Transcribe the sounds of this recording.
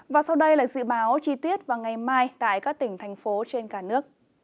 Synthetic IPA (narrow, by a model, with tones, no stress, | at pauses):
vaː˨˩sa˧wɗə˧jlaː˨˩zɨ̰˧˨ɓaː˨˦wt͡ɕi˧t̪i˦˥ət̚vaː˨˩ŋa˨˩jmaː˧jt̪a̰ː˧˨jkaː˦˥k̚t̪ï˧˩ŋ̟t̪ʰɛ˨˩jŋ̟fo˨˦t͡ɕe˧nkaː˧˩nɨ˦˥ək̚